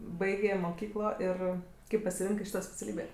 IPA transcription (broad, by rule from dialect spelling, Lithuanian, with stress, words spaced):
ˈbɐɪɡʲeː moːˈkʲiːklˠoː ˈɪr ˈkɐɪp pɐsʲɪˈrʲɪŋkɜ ˈʃʲiːtoː sʲpʲɛt͡sʲɛˈlʲiːbʲeː